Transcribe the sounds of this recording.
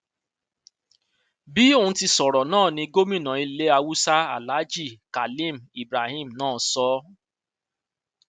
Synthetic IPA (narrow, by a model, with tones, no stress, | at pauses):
bi˨˦o˦˨ũ˦ti˧sɔ˨ɾɔ˨nãː˦˨nĩ˧ɡo˦mĩ˦˨nã˨˦i˧le˦a˧wu˦sa˦a̰˨la˨˦d͡ʒi˦˨ka˨lĩ˦˨mi˨bɾa˨hĩ˦˨m̩˨nãː˦˨sɔ˦